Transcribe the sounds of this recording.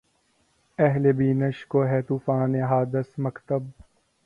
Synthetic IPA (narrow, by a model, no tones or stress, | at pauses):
ɛɦlebiːnɐʃkoːɦɛːt̪uːfaːneɦaːd̪əsmɐkt̪əb̚